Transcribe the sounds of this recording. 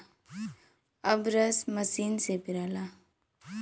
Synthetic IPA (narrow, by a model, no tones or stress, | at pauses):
ɐbɾəsmɐsiːnsepiɾaːla